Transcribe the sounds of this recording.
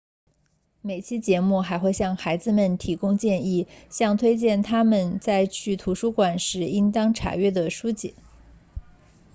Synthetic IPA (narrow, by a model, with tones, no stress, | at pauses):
me˨˩ɪt͡ɕʰi˥t͡ɕjɛ˧˥mu˥˩xa˧˥ɪxwe˥˧ɪɕjɑ˥˩ŋxa˧˥ɪd͡zɹ̩˧mə˨˩nt̪ʰi˧˥kʊ˥ŋt͡ɕjɛ˥˧ni˥˩ɕjɑ˥˧ŋt̪ʰwe˥ɪt͡ɕjɛ˥˩nt̪ʰa˥mə˨nt͡sa˥˧ɪt͡ɕʰy˥˩t̪ʰu˧˥ʂu˥kwa˨˩nʂɻ̩˧˥i˥ŋt̪ɑ˥ŋʈ͡ʂʰa̰˧˥ɥɛ˥˩d̪ə˩ʂu˥t͡ɕɛ̰˨˧˩